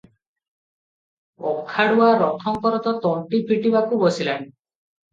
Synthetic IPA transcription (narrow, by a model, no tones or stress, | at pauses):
ɔkʰaɽuaɾɔkʰɔŋkɔɾɔt̪ɔt̪ɔɳʈipʰiʈibakubɔsilan